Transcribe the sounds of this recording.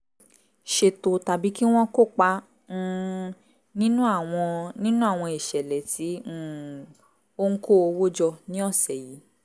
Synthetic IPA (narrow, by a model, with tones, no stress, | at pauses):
ʃe˧to˧ta˨bi˨˦ki˦w̃ɔ̃˦ko˦˨k͡pã˧˦˧ | nĩ˦nũ˦a˦˨w̃ɔ̃˧nĩ˦nũ˦a˦˨w̃ɔ̃˧i˨ʃɛ˨lɛ˨tʰi˨˦˨ | o˦ŋ̩˦ko˦o˧wo˦d͡ʒɔ˧nĩ˦ɔ˦˨sɛ˨ji˨˦